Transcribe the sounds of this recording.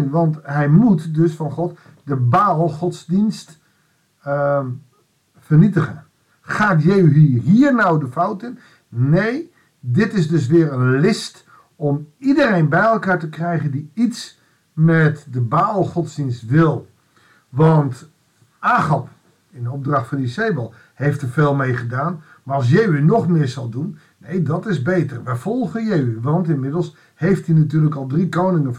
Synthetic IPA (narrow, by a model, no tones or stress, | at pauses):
ʋɑntɦɛjmutdøsfɑnχɔt | dəbaːlˠχɔtsdinst | fərnitəχən | χaːtjɛɦiɦiːərnawdəfawtən | nej | dɪtɪsdɵs̬ʋɪːrənlɪst | ɔmidərejnbɛjɛlˠkaːɹtəkrɛjχəndiits | mɛtdəbaːlˠχɔtsdinstʋɪlˠ | ʋɑnt | aːxɑp | ɪndəob̚drɑxtfɔndiseːbəlˠ | hejftəfeːlˠmejχədaːn | marɔlˠs̬jɛjʋinɔχmɪːɹsɑlˠdun | nejdɔtɪsbeːtərʋɛjfɔlˠɣəjejʋʋɑntɪnmɪdəl̩ˠs | hejftinatyːləkɔlˠdrikownɪŋə